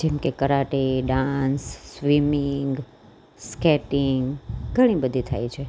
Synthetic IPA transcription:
d͡ʒemkekəɾaʈeɖãnsːʋimiŋɡ | skɛʈiŋɡɡʱəɽ̃ĩbəd̪ʱit̪ʰa̰jt͡ʃʰe

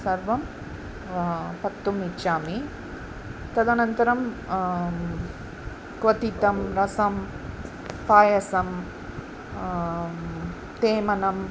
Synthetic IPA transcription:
sɐɾʋɐm | pɐt̪ːumiʃaːmi | t̪ɐd̪anɐnt̪ɐɾɐm | kʋɐt̪it̪ɐmɾɐsɐm | paːjɐsɐm | t̪eːmɐnɐm

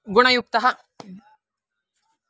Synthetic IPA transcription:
ɡuɳɐjuk̚t̪ɐɦɐ

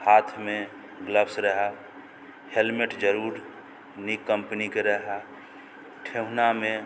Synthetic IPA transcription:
haːt̪ʰmẽ | ɡləpsɾəɦa | helmeʈd͡ʒəɾuːɾ | nikːəmpənikeɾəɦa | ʈʰeɦnamẽ

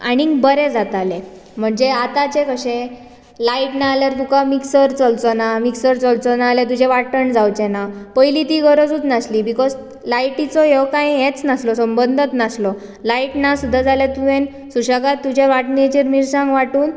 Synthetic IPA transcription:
a̰ɽ̃ibəɾed͡zat̪ale | m̤əɳd͡zeat̪at͡ɕekʰəɕẽ | laiʈnaːljaɾt̪ukamiksəɾt͡sɔlt͡sɔnamiksəɾt͡sɔlt͡sɔnalet̪̬ud͡ʑʱeʋaʈəɳd͡zawt͡ɕenapəjlit̪iːɡʱəɾod͡zuːt͡s̪nasliːbikɔd͡z | lajʈit͡sɔɦekãjẽt͡snaslɔsəmbənd̪ʱət̪naslɔ | laiʈnasud̪ʱːad͡zaljet̪uʋẽn | suɕaɡat̪ːud͡ʑʱeʋaʈnet͡ɕiɾmiɾsãŋɡʋaʈuːn

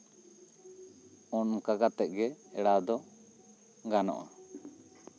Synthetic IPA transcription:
ɔnmkaɡat̪ɛʔ̚ˀɡɛɛɽad̪ɔ | ɡanɔ̰ʔa

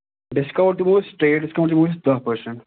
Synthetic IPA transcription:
ɖɪskɐʋəɖ̚ʈumoːsʈɾeːɖɪskɐʋəɖ̚ʈumoːsd̪əpəɾsə̃n

